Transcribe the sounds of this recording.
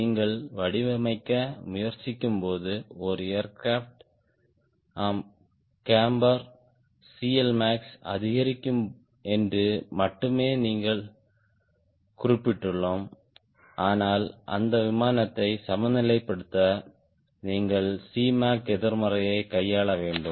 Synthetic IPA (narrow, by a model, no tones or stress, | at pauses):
niːŋɡɐɭʋɐɽɪʋɐmɐɪkːɐmʊjɐɾt͡ʃːɪkʲːɯmpoːðɯɔɾɯejɐɾkɾaːfʈ | aːm | kaːmbɐɾ | siːɛlmaːksɐ̰ðɪɣɐɾɪkːɯm | ɛndrɯmɐʈːɯmeːniːŋɡɐɭ | kʊrɪpːɪʈːɯɭːoːm | ʔaːnaːlʔɐ̰nd̪ɐʋɪmaːnɐt̪ːɐɪsɐmɐnd̪ɪlɐɪpːɐɽɯt̪ːɐ | niːŋɡɐɭsiːmaːkɛðɪɾmɐrɐjɐɪkɐjːaːɭɐʋeːɳɖɯm